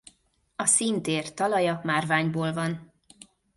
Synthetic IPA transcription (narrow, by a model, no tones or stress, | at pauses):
ɒsint̪eːrt̪ɒlɒjɒmaːrvaːɲboːlvɒn